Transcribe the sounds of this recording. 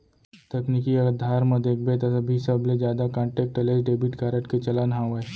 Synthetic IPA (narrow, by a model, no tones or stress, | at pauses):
t̪ɐknikiɐɡəd̪ʱaːɾmɐ̃d̪eːk̚ʰbet̪ɐɐbʱisɐbled͡ʒjaːd̪akãːɳʈeːk̚ʈəlesɖeːbiʈkaːɾəʈket͡ʃɐlanɦãʋe